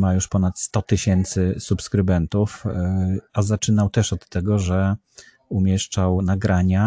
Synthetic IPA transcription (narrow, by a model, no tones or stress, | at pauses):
majuʂpɔnat̪st̪ɔt̪ɘɕɛnt̪sɘsupskɾɘbɛnt̪uf | azat͡ʂɘnawt̪ɛʂɔt̪ːɛɡɔʐɛ | umʲjɛʂt͡ʂawnaɡɾaɲa